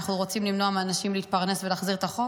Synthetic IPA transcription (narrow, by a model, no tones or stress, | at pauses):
aχnuʁo̞t͡simlimno̞amaːnaʃimliːt̪̚paʁne̞svelaːχziʁet̪aχo